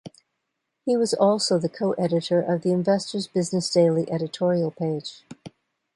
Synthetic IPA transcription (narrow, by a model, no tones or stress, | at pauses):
hiwʌzɔlˠsoʊðɨkʰoʊʔɛɾɨɾə˞ʔʌvðiɨ̃ɱvɛstə˞zbɪznɨsd̥eɪlˠiʔɛɾɨtʰɔɹil̩ˠpʰeɪd̥ʒ̥